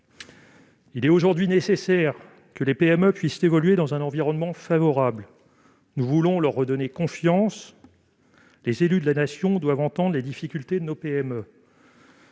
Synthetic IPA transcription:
ilɛt̪oʒuʁd̪ɥinesesɛʁ | kəlepeɛmøpɥisevɔlɥed̪ɑ̃zɛ̃nɑ̃viʁɔnmɑ̃favɔʁabl | nuvulɔ̃lœʁːəd̪ɔnekɔ̃fjɑ̃s | lezelyd̪əlanasjɔ̃d̪wavɑ̃t̪ɑ̃d̪ʁled̪ifikʲylt̪ed̪ənopeɛmø

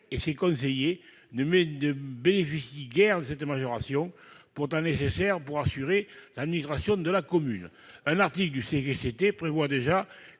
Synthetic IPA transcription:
esekɔ̃s̬eje | nənəbenefisjiɡɛʁd̪əsɛt̪əmaʒɔʁasjɔ̃ŋpuʁt̪ɑ̃nesesɛʁəpuʁasyʁelad̪minist̪χasjɔ̃d̪əlakɔmyn | ɛ̃naʁt̪ikləd̪ysekeset̪epχevwad̪eʒa

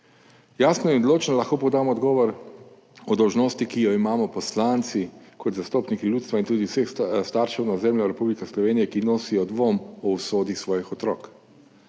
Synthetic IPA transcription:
jaːsnɔjind̪loːt͡ʃnɔlɐxkoːpɔd̪aːmɔːd̪ɡɔːʋɔɾ | ɔd̪ɔwʒnoːst̪ikijɔimaːmɔpɔslant̪sikɔt̪zast̪oːpnikilʲuːt̪st̪ʋaint̪uːd̪iwsexst̪aːɾʃɛwnazɛmljɔɾɛpublikaslɔʋeːnijɛkinoːsijɔd̪ʋoːmɔwsoːd̪isʋɔːjixɔt̪ɾɔːk

